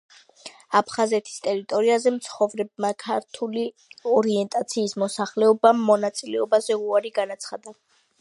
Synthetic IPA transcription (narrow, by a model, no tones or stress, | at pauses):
apʰχazɛt̪ʰi̥st̪ʼɛɾit̪ʼɔɾiazɛmt̪sʰχɔvɾɛb̚makʰaɾt̪ʰuli | ɔɾiɛnt̪ʼat̪sʰiːsmɔsaχlɛɔbamːɔnat̪sʼilɛɔbazɛuaɾiɡanat̪sʰχad̪a